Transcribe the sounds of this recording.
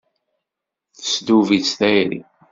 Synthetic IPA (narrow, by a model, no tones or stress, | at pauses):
θə̥sd̪uvisθæjɾḭ